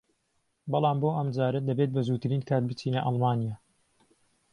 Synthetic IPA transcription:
bɑlˠɑːmboːʔɐmd͡ʒaːɾɐd̪ɐbeːt̪̚bɐzuːt̪ɨɾiːnkʰaːt̪̚bɨt͡siːnɐʔɑlˠmaːnijaː

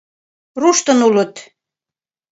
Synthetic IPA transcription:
ruʃt̪ə̆nulə̆t̪

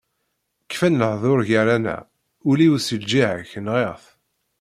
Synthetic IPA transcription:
kːfænːəʕðˤoɾʝaɾænæ̰ | ʊliwsəld͡ʒiʕəçnʁeʁθ

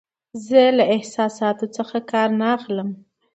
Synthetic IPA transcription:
zəlaɪhsɑsɑt̪ot͡səxakɑɾnaːxləm

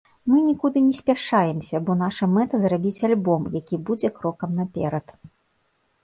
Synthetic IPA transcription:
mɨnʲikud̪ɨnʲɛsʲpʲaʂajɛmsʲɐbɔn̪aʂɐmɛt̪ɐzrabʲit͡sʲalʲbɔmjakʲibud͡zʲɛkɾɔkɐmnapʲɛɾɐt̪

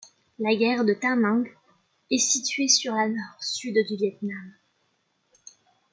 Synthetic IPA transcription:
laɡʲɛʁd̪ət̪ãnɑ̃ɡ | ɛsit̪ɥesyʁlanɔʁsyd̪d̪yvjɛt̪nam

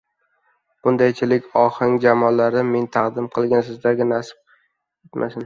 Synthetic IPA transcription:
b̥ʊnd̪ajt͡ʃʰɪlɪkʲɒhɪŋd͡ʒamɒlːaɾɪme̞nt̪ʰɑqd̪ɪmqʰɨlˠɡʲansɪzd̪aɡʲɪnasɪ̥p̚ʰʲ | et̪mʔa̰sɪn

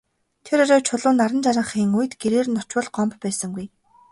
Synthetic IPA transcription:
t̪ʰeɾɔɾæːwt͡ɕʰʊɮʊːnːaɾə̆nt͡ɕaɾə̆ɴχiːŋuj̆t̪ɡeɾeːrnɔt͡ɕwʊ̆ɮɢɔmppæːsə̆ŋɡuj

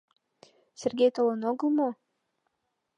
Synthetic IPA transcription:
sʲerɡʲejt̪olənoɡəlˠmo

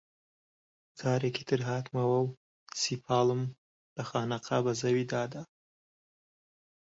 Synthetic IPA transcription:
t͡sʰaːɾekʲʰit̪ʰɨɾɦat̪ʰmawaw | sipʰaːlɨm | l̥ɐχaːnaqʰabazɐwid̪aːd̪a

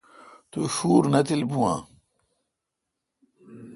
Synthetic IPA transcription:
t̪uɕuːɾnɐt̪ilbuwã̰ː

